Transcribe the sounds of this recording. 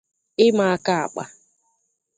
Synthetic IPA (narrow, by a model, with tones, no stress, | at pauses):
ɪ˦ma˨a˦ka˦a̰˨k͡pa̰˦